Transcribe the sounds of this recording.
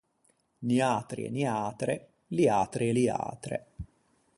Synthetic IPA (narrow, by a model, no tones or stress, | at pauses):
niaːt̪ɾḭḛniaːt̪ɾe | liaːt̪ɾielia̰ːt̪ɾḛ